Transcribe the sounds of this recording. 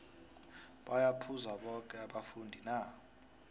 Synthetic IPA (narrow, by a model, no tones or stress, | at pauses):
ɓajapʰuzaɓɔkʼɛaɓafundʱina